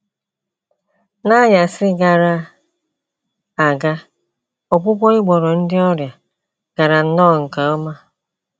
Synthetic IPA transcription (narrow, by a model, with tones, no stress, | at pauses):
na˦ja˨sɪ˦ɡa˨ɾa˨ | a˨ɡa˦ | o˨k͡pʷʊ˦kʷɔ˦ɪ˦ɡ͡bɔ˨ɾɔ˨n̩˦dɪ˦ɔ˦ɾja˨ | ɡ̥a˨ɾa˨n̩˦nɔː˦˨ŋ̩˨ka˨o˦ma˦